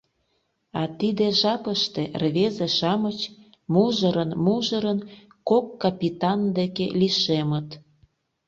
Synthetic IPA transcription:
ɑt̪id̪eʒɑpəʃt̪erβezeʃɑmət͡ɕ | muʒəɾənmuʒəɾən | kokːɑpʲit̪ɑnd̪ekḛliʃemə̆t̪

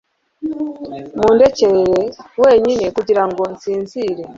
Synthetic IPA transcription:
muːnde̞cejewe̞ːɲine̞kuɟiɾaŋɡo̞nsiːnziːɾe̞

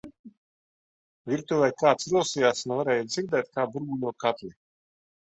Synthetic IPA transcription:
vʲiɾt̪uvɛjkaːt̪sɾulsijaːsnuvaɾɛːjad̪ziɾd̪ɛːt̪̚kaːbuɾɡulʲuɔkat̪lʲi

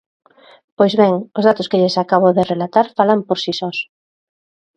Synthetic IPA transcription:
pojzβɛŋozðat̪ʊskeʎesakaβ̞oðerelat̪aɾfalampoɾsisɔs

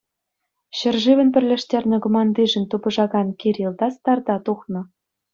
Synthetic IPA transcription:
ɕɘ̆rʐiʋʲɘ̆npʲɘ̆rʲlʲĕʂtʲerʲnʲɘ̆ɡomɑnd̪iʐɘ̆nʲt̪ubɤ̆ʐɑɡɑnkʲeɾʲilˠd̪ɑst̪ɑrd̪ɑt̪uχnɤ̆

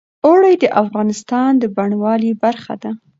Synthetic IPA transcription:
oɽajd̪əʔafɣɑnɪst̪ɑnd̪əbaɳwɑlibaɾxa̰d̪a

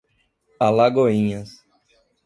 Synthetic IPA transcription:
alaɡoĩɲɐs

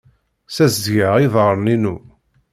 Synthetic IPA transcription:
sæzdʝəʁiðˤəɾˤninu

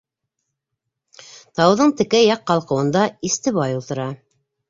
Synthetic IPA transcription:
t̪ɑwðɤɴt̪ɘ̆kæjɑqːɑlˠqɤ̆wɤ̆nd̪ɑist̪ɘ̆βɑjulˠt̪ɤ̆ɾɑ

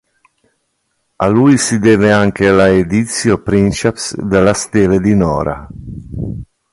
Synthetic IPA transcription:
alujsid̪eːveaŋkelaed̪it̪sjopɾint͡ʃɛpsd̪elast̪eled̪inɔ̰ːɾa̰

